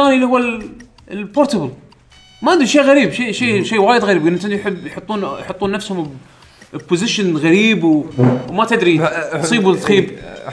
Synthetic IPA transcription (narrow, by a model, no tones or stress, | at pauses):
aːniʔlihʊwːal | lpoɾt̪abəl | maand̪uʃiːɣaɾiːbʃiʃiːʃiːwaːjɪd̪ɣaɾiːbɡɪnʔɪnt̪ɪnd̪ijħɪbːjħot̪ˤːuːnjħot̪ˤːuːnːafshʊm | pːʊzɪʃənɣaɾiːbwwmat̪ɪd̪ɾisˤiːbut̪ˤxiːb